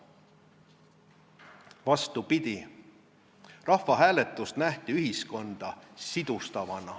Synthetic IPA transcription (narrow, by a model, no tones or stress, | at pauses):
vɑst̪upid̪̥i | rɑhfːɑɦæːlet̪ːˑust̪næht̪iyɦisko̞nd̪̥ɑsid̪̥ust̪ɑvɑnɑ